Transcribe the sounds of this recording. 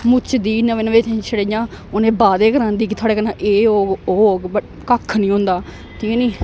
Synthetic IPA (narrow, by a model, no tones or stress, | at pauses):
mʊt͡ʃd̪iːnəʋẽːnəʋeːt̪ːt͡ʃʰəɽejãː | onẽːbaːd̪eːkəɾãːnd̪iːkɪt̪ʰoaːɽeːkənãːʔeːoːoː | kəkʰːnĩːɦʊ̃nd̪aː | t̪ʰiːkẽːnĩː